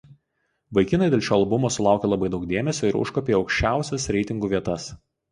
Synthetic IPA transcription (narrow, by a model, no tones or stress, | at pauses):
ʋɐɪkʲɪnɐɪd̪ʲeːlʲˠʃʲoːɐlˠbʊmoːsʊlˠɑˑʊkʲelˠɐbɐɪd̪ɒʊk̚d̪ʲeːmʲɛsʲoːɪɾʊ̰ʃkoːpʲeːɒʊkʃʲt͡ʃʲæˑʊsʲɛsɾʲɛɪt̪ʲɪŋɡuːʋʲiɛt̪ɐs